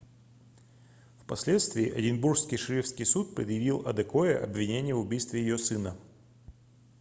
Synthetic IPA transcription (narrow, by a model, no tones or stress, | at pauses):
fpɐsʲlʲe̞t̪st̪vʲɪːʔɐ̰dʲɪnburskʲɪjʂɨɾʲifskʲɪjsut̪̚pɾʲɪd̪jɪvʲilˠɐ̰d̪ɐkoəʔɐ̰bvʲɪnʲenʲɪjəvʊbʲijst̪vʲɪjɪjosɨnə